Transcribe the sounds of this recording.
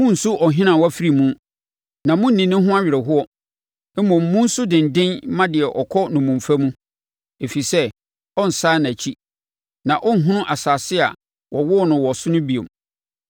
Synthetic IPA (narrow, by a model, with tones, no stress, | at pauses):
mʊ̃˦n̩˨sʊ˦ʔɔ˨ɦɪ̃˦nã˨wɔ˦fi˦ɾi˨mũ˦ | nã˨mʊ̃˦n̩˦nĩ˨nɪ̃˦ɦʊ̃˦a˦ɥɪ˨ɾɛ˨ɦʊ˦ɔ˦ | ɛ˦mɔ̃˨m̩˨mũ˦n̩˦sʊ˦dɪ̃˨n̩˨dɪ̃˦nmã˦dɪ˨ɛ˨ʔɔ˨kʰɔ˦nʊ̃˨mũ˨m˨fæ˦mũ˦ | e˨fi˨sɛ˦ | ɔ˦n̩˨saː˦n˨a˨t͡ɕʰi˦ | nã˨ʔɔ˦n̩˦ɦʊ̃˦nʊ̃˦ʔa˨saː˨sɪ˦a̰˨ | wʔɔ˨wʊ˦ɔ˦˨nʊ̃˨wɔ˨sʊ˦nʊ̃˦bi˨o̰˨m